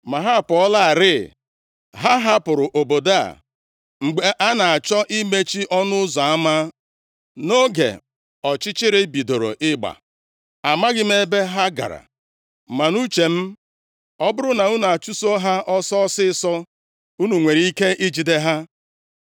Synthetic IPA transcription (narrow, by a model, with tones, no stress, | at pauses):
ma˨ɦa˦˨pɔ˦la˦˨ɾɪ˦˨ | ɦa˦ɦa˦pʊ˨ɾʊ˨ʔo˨bo˨da˦a̰˨ | ŋ͡m̩˨ɡ͡be˨ʔa˦na˨a˨t͡ʃɔ˦ʔi˦me˦t͡ʃi˦ʔɔ˦nʊ˦zɔ˨a˦ma˦ | no˦ɡḛ˨ | ɔ˨t͡ʃɪ˦t͡ʃɪ˦ɾɪ˦bi˨do˨ɾo̰˨ʔɪ˦ɡ͡ba̰˨ | a˨ma˦ɡɪ˦me˦be˦ɦa˦ɡa̰˨ɾa̰˨ | ma˨nu˦t͡ʃe˨m̩˦ | ɔ˦bʊ˦ɾʊ˦na˨u˦n˨a˨t͡ʃu˦so˦ɦa˦ʔɔ˦sɔ˦sɪ˦sɔ˦ | u˦nu˨ŋʷe˨ɾi˦i˦ke˦ʔi˦d͡ʒi˨de˦ɦa˦